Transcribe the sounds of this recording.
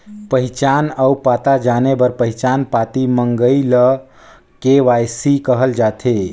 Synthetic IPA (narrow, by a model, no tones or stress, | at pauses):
pəɦt͡ʃanəupat̪ad͡ʒanebəɾpəɦit͡ʃanpat̪iməŋɡəilə | keʋajsikəɦəld͡ʒat̪ʰe